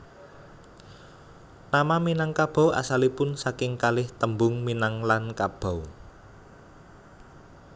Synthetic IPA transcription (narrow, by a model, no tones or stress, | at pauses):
namaminaŋkab̥a̤wʔa̰salipʊnsakɪŋkalɪht̪əmbʊŋminaŋlankab̥a̤w